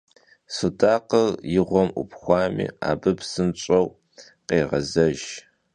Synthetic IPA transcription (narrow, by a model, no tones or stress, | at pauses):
sudaːqəljɪʁʷɔmṵpχʷɑːmḭːa̰ːbɨpsɨnt͡ʃʷʼɐw | qeːʁɐzɐʒ